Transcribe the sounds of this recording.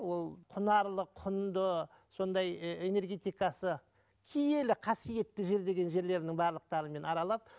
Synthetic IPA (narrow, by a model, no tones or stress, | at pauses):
wo̞lˠqʰʊnɑɾlˠəqʰʊnd̪ə | so̞nd̪ɑje̞ne̞ɾɡʲe̞t̪ijkɑsə | kʲʰije̞lɪqʰɑsije̞t̪ːɪʒe̞ɾd̪e̞ɡʲe̞nʒe̞ɾle̞ɾɪnɪŋbɑɾlˠəq̚t̪ɑɾəme̞nɑɾɑlˠɑp̚